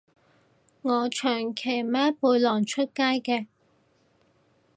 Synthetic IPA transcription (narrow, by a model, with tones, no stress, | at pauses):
ŋɔː˨˧t͡ʃʰœː˨˩ŋkʰe˨˩jmaː˨˥puː˨˧jlɔː˨˩ŋt͡ʃʰɵ˥t̚kaː˥jkɛː˧